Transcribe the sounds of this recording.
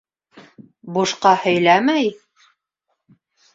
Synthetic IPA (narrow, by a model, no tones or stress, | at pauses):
buʃqɑhɵ̆jlæmæj